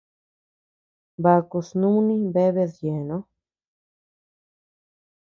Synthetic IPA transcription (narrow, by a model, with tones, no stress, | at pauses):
ba˧ku˧snũ˦nĩ˦be˦βe˧ðje˨nõ˦